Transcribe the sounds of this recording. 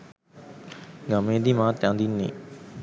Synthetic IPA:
ɡamẽːd̪iːmãːt̪jãːnd̪iːnḛː

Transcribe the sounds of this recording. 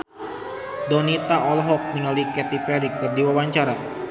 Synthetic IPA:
dɔnit̪aʔɔlɦɔk̚niŋalikɛt̪ipɛɾikərdiwawaɲt͡ʃaɾa

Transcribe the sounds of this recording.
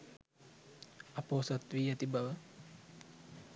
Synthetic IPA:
ɐpoːsɐt̪ʋiːat̪ibaʋə

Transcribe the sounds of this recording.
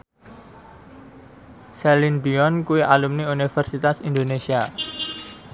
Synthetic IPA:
sɛlind̪iɔnkuwiʔalumniunifərsit̪asind̪onesia

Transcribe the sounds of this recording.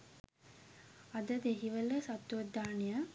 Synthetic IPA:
ad̪əd̪eɦiʋələsat̪ːuʋəd̪aːnija

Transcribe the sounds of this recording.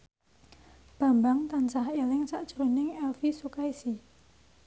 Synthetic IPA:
b̥a̤mbaŋt̪ant͡ʃahelɪŋsaʔd̥ʒ̥ɾonɪŋɛlfisukaisi

